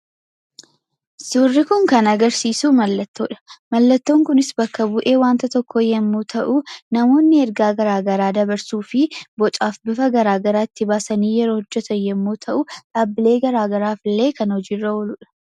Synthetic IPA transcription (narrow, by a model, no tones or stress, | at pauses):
suːrːɪkʊŋkɐnɐɡɐɾsiːsuːmɐlːɐt̪ːoːᶑɐ̥mɐlːɐt̪ːo̞ːŋkʊnɪsbɐkːɐbʊʔeːwaːnt̪ɐt̪ɔkːɔjɛmːuːt̪ʰɐʔʊnɐmo̞ːnːɪɛɾɡaːɡɐɾaːɡɐɾaːd̪ɐbɐɾsuːfɪbɔt͡ʃʼaːfbɪfɐɡɐɾaːɡɐɾaːɪt̪ːɪbaːsɐniːjɛɾoːhɔd͡ʒːɛt̪ɐjɛmːuːt̪ʰɐʔʊᶑaːbːɪleːɡɐɾaːɡɐɾaːflːe̞ːkɐnhɔd͡ʒiːrːɐwɔlʊᶑɐ̥